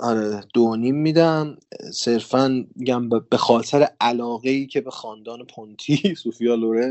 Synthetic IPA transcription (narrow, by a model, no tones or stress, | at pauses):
ʔɒɾed̪̥onimːiːd̪æmse̞ɾfænmiɟæmbb̥e̞xɒːt̪ʰeɾeʔælɒːɣeiːcʰebexɒːnd̪ɒːne̞pʰont̪ʰisuːfijɒːloɾen